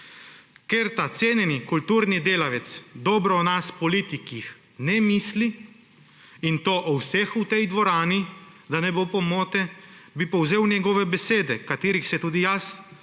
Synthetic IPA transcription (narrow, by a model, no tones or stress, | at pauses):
keɾt̪at̪seːnjɛnikult̪uːɾnid̪eːlaʋɛt̪sd̪ɔːbɾɔɔnaspɔliːt̪ikix | nɛmiːsli | int̪oːʔɔwsɛxut̪ɛjd̪ʋɔɾaːnid̪anɛbopɔmoːt̪ɛbipɔwzeːwnʲjɛɡɔːʋɛbɛseːd̪ɛkat̪eːɾixsɛt̪uːd̪ijas